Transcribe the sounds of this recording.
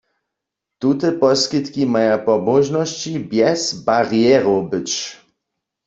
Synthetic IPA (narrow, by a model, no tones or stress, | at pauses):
t̪ut̪ɛpɔskit̪kimajapɔbɔʒnɔɕt͡ʃibjɛzbaʁijɛʁobɪt͡ʃ